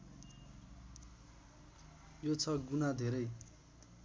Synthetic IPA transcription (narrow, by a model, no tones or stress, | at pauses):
jot͡sʰʌɡunad̪ʱeɾʌj